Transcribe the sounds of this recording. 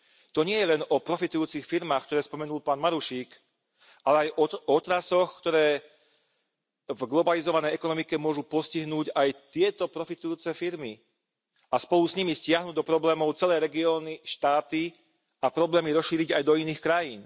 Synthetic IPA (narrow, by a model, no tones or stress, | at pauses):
t̪ɔɲɪɛjɛlɛnɔpɾɔfit̪ujuːt͡sixfiɾmaːxk̚t̪ɔɾɛːspɔmɛnuːlpaːnmaɾuʃiːk | ʔalɛajʔɔɔɔt̪ɾasɔxkt̪ɔɾɛː | vɡlɔbalizɔʋanɛjɛkɔnɔmikɛmʊɔʒupɔsciɦnuːɟajt̪ɪɛt̪ɔpɾɔfit̪ujuːt͡sɛfiɾmi | aspɔlusɲimiscɪaɦnuːd̪ɔpɾɔblɛːmɔʊt͡sɛlɛːɾɛɡiɔːniʃt̪aːt̪i | apɾɔblɛːmiɾɔsʃiːɾiɟajd̪ɔiniːxkɾajiːn